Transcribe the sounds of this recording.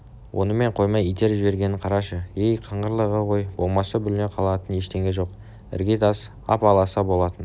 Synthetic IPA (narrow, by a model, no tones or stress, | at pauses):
wʔo̞̰nəme̞ɴqʰo̞jmɑijt̪e̞ɾʒɪbe̞ɾɡʲe̞nɪɴqʰɑɾɑʃəejqʰəɴʁəɾlˠəʁəqʰo̞jbo̞lˠmɑsɑbʏlneqʰɑlˠɑt̪əne̞ʃt̪e̞ŋʲeʒo̞q | ɪ̰rɡʲet̪ɑs | ɑ̰pɑlˠɑsɑbo̞lˠɑt̪ən